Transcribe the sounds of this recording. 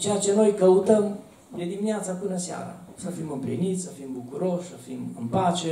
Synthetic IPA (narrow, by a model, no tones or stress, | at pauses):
t͡ʃat͡ʃenojkəwt̪əm | jed̪imiat͡sakunasja̰ɾa̰safiməmpɾḭnit̪safimbukuɾosafiməmpat͡ʃe